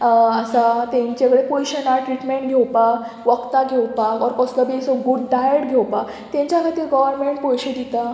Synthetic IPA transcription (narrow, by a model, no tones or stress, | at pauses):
əsat̪ẽɲt͡ɕakəɽepɔjɕənaʈɾiʈmẽɳʈɡʱewpa | ʋəkt̪aɡʱewpaɔɾkɔsləbisɔɡuɖɖajəʈɡʱewpa | t̪jẽɲt͡ɕjakʰat̪iːɾɡɔʋəɾmeɳʈ̚pojɕed̪it̪a